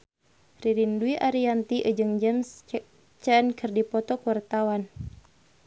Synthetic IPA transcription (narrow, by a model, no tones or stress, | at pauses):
riɾinduiʔaɾiant̪iʔəd͡ʒɨŋd͡ʒɛms | t͡ʃənkɨrdipɔt̪ɔkuwart̪awan